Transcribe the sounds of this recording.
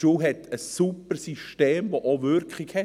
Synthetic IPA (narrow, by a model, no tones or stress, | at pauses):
uːɦɛtʰəsːupərsiʃteːmʋoʔovʏɾkχɪkhɛ